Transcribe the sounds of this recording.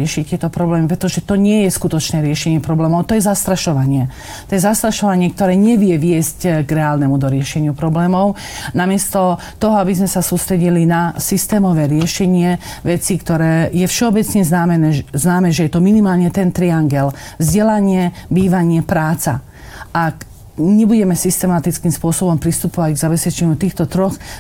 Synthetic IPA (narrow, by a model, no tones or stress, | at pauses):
ɛʃict̪ɪɛt̪ɔpɾɔblɛːmipɾɛt̪ɔʒɛt̪ɔɲɪɛjɛskut̪ɔt͡ʃnɛːɾɪɛʃɛɲɪɛpɾɔblɛːmɔʊt̪ɔjɛzast̪ɾaʃɔʋaɲɪɛ | t̪ɔjɛzast̪ɾaʃɔʋaɲɪɛk̚t̪ɔɾɛːɲɛʋɪɛʋɪɛscɡɾɛaːlnɛmud̪ɔɾɪɛʃɛɲɪupɾɔblɛːmɔʊnamɪɛst̪ɔ | t̪ɔɦɔabizmɛsasuːst̪ɾɛɟilinasist̪ɛːmɔʋɛːɾɪɛʃɛɲɪɛʋɛt͡sikt̪ɔɾɛːjɛfʃɛɔbɛt͡sɲɛznaːmɛnɛːznaːmɛʒɛjɛt̪ɔminimaːlɲɛt̪ɛnt̪ɾiaŋɡɛlvzɟɛlaɲɪɛbiːʋaɲɪɛpɾaːt͡sa̰ | ʔak | ɲɛbuɟɛmɛsist̪ɛmat̪it͡skimspʊɔsɔbɔmpɾist̪upɔʋaɟɡzabɛspɛt͡ʃɛɲut̪iːxt̪ɔt̪ɾɔx